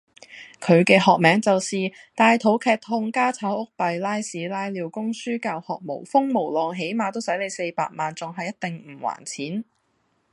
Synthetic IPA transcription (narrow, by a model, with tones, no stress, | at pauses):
kʰɵ˨˧ɥkɛː˧ɦɔː˨k̚mɛː˨˥ŋt͡sɐ˨wsiː˨ | t̪aː˨jt̪ʰo˨˥wkʰɛː˧k̚t̪ʰʊ˧ŋkaː˥t͡sʰaː˨˥wʔʊ˥k̚pɐ˨jlaː˥jsiː˨˥laː˥jliː˨˧wkʊ˥ŋsyː˥kaː˧whɔː˨k̚mo̰˨˩wfʊ˥ŋmo˨˩wlɔː˨ŋɦe˨˥jmaː˧t̪o˥wsɐ˨˥jle˨˧jse˧jpa̰ː˧k̚maː˨nt͡sʊ˨ŋɦɐ˨jːɐ˥t̚t̪ɪ˨ŋm̩˨˩wa̰ː˨˩nt͡sʰiː˨˥n